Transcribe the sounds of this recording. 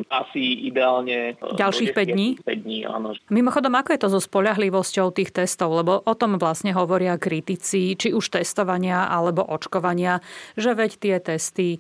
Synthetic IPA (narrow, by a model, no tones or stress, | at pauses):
ʔasiid̪ɛaːlɲɛɟalʃiːxpɛɟd̪ɲiːpɛɟd̪ɲiːa̰ːnɔmimɔxɔd̪ɔmakɔjɛt̪ɔzɔspɔʎaɦliʋɔscɔʊt̪iːxt̪ɛst̪ɔʊlɛbɔʔɔt̪ɔmʋlasɲɛɦɔʋɔɾɪakɾit̪it͡sit͡ʃiuʃt̪ɛst̪ɔʋaɲɪaʔalɛbɔʔɔt͡ʃkɔʋaɲɪaʒɛʋɛct̪ɪɛt̪ɛst̪i